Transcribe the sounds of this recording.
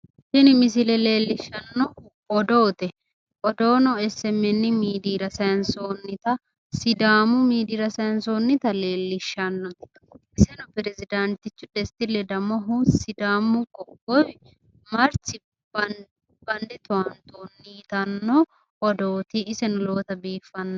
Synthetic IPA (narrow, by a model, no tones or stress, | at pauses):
ʃɪnɪmɪs̬ɪlɛle̞ːlːɪʃːɐnːɔ | ɔd̪oːt̪ɛ | ʔɔd̪oːnɔɛsːɛmːɛnːɪmiːd̪iːɾɐsɐjɐnsoːnːɪt̪ɐ | sɪd̪aːmʊmiːd̪iːɾɐsɐjɐnsoːnːɪt̪ɐle̞ːlːɪʃːɐnːɔ | ʔɪsɛnʊpɛɾɛzɪd̪ɐnt̪ɪt͡ʃːʊd̪ɛst̪ɪlɛd̪ɐmɔɦusɪd̪aːmʊkʼɔkːɔj | mɐɾsɪ | b̥ɐnd̪ɪt̪ʊwɐnt̪oːnːit̪ɐnːɔ | ʔɔd̪oːt̪ɪɪsɛnʊlo̞ːt̪ɐbiːfːɐnːɔ